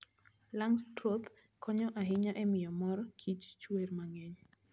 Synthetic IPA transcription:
laŋstɾot̪ | kɔɲɔʔaɦɪɲaʔɛmɪjɔmɔɾɔkʰit͡ʃt͡ʃwermaŋɛɲ

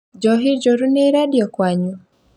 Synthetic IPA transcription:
d͡ʒɔɦid͡ʒɔɾuneiɾadiɔkwaɲu

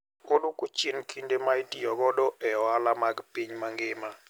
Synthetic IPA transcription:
odukut͡ʃinkʰindemaitijɔɡɔdɔʔɛɔalamaɡpiɲmaŋɡɪma

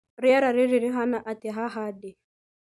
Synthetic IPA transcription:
ɾɪaɾaɾɪɾiɾɪɦanaʔatɛɦaɦadɪ

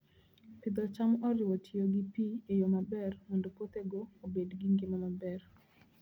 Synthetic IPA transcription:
pɪd̪ɔt͡ʃamɔɾɪwɔtʰioɡɪpiejomabɛrmɔndopot̪eɡoːbedɡiŋɡɪmamabɛr

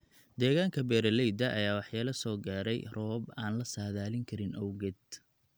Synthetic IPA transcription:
d̪ɛːɣaːŋkʰɐbɛːɾɐlɛjd̪ɐʔɐjaːwɑħjaːlɐsɔːɡaːɾɛjrɔːbaːnlɐsaːðaːlɪŋkʰɐɾɪnʔɔwɣɛd̪̚

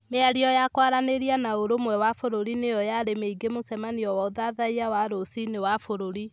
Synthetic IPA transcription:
meaɾiɔjakwaɾaneɾianaoɾomwɛwafoɾoɾinejɔjaɾemeiɡemosɛmaniɔwaoðaðaiawaɾosinewafoɾoɾi

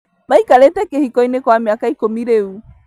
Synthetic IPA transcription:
maikalɛtɛkehikɔinekwameakaikomiɾeu

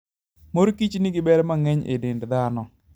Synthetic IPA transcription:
moɾkit͡ʃnɪɡɪbɛɾɛmaŋɛɲḛdɪndd̪anɔ

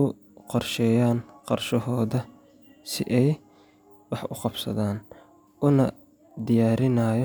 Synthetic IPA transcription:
ʊ | qɔrʃɛːjaːnqɑrʃɔɦɔːðɐ | sɪʔɛj | wɑħʊqɑbsɐ̰ðaːn | ʊnɐ | d̪ɪjaːɾɪnaːjɔ

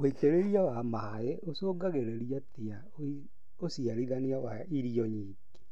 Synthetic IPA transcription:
oiteɾeɾiawama | eosoːɡaɣeɾeɾiatea | o | osiaɾiðaniawa | iɾiɔɲi | ke̥

